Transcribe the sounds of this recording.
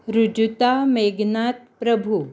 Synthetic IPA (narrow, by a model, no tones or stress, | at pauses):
ɾud͡ʒut̪ameːɡnaːt̪̚pɾɐbʱu